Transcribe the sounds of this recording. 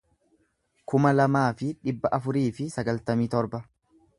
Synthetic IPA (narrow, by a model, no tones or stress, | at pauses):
kʊmɐlɐmaːfɪᶑɪbːɐʔɐfʊɾiːfɪsɐɡɐlt̪ɐmiːt̪ɔɾbɐ